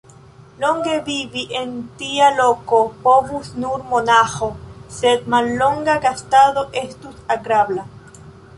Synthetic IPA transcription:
loŋɡeβiβiʔent̪ialokopoβusnuɾmonaxosed̪̚malːoŋɡaɡast̪aðoʔest̪usaɡɾaβla

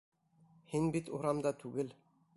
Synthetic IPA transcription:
hinbit̪uɾɑmd̪ɑt̪ʰʉɡɘl

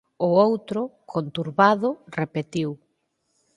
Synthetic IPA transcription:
ʊowt̪ɾʊkʰont̪uɾβaðʊrepet̪iw

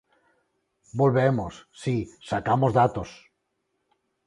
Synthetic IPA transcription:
bolβemosːisakamozðat̪os

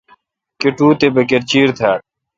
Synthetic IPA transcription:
keʈuːt̪ebɐkeɾt͡ɕiːɾt̪ʰaːɾ̚

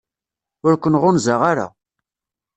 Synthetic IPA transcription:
ʊɾkʷənʁʊnzaʁaɾa̰

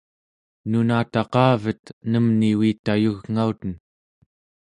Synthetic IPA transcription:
nunaːt̪ɑqɑːvət̪nəmniwiːt̪ajuɣŋaut̪ən

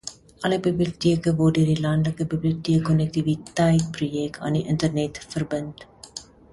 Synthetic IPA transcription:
ɐləbibliotiəkəvɔrdøərdilɐndləkəbibliotiəkːɔnɛk̚tivitəjt̚prujɛktɐ̰ːndiʔəntərnɛtfərbənt

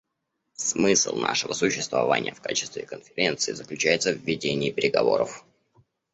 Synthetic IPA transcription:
smɨslˠna̰ʂɨvəsʊɕːɪst̪vɐvanʲɪ̰jəfkat͡ɕɪ̥st̪vʲɪkənfʲɪɾʲe̞nt̪sɨɪzəklʲʉt͡ɕæjɪt̪səvʲːɪdʲenʲɪːpʲɪɾʲɪɡɐvo̞̰ɾəf

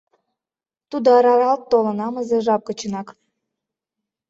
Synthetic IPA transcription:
t̪ud̪oɑɾɑɾɑlt̪ːolɤ̆nɑmə̆zeʒɑp̚kə̆t͡ɕə̆nɑk

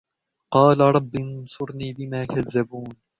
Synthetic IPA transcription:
qɑːlaɾˤɑbːɪnsʊɾniːbɪmaːkaðːabuːn

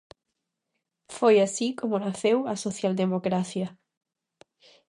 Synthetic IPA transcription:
fojasikomonaθewasoθjald̪emokɾaθja

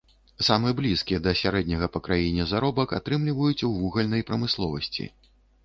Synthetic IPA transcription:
samɨjɛblʲiskʲijɛd̪ɐsʲaɾɛd̪ʲnʲɐɣɐpɐkɾajinʲɛzaɾɔbɐkat̪ɾɨmlʲivɐjut͡sʲwvuɣɐlʲnɐjpɾɐmɨslˠɔvɐsʲt͡sʲḭ

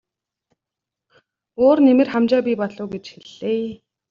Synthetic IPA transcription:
oːrnemɘ̆rχamt͡ɕaːpʲipɔɮʊːɡet͡ɕxiɮːeː

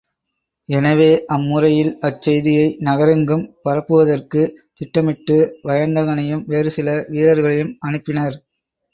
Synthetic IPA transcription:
ɛnɐʋeːʔɐmːʊrɐjɪlɐt͡ʃːɛjðɪjɐɪnɐɣɐɾɐŋɡɯmpɐɾɐpːɯʋɐðɐrkɯt̪ɪʈːɐmɪʈːɯʋɐjɐnd̪ɐɣɐɳɐjɯmʋeːɾɯsɪlɐʋiːɾɐɾɣɐɭɐjɯmɐnɯpːɪnɐɾ

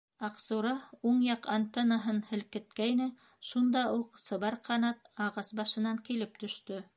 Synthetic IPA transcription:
ɑqsuɾɑuɴjɑqant̪enɑɦɤnhɘ̆lkɘ̆t̪̚kæjnɘ | ʃund̪ɑuqsɤ̆βɑɾqɑnɑt̪ɑʁɑsbɑʃɤ̆nɑŋkilɘp̚t̪ɵ̆ʃt̪ɵ

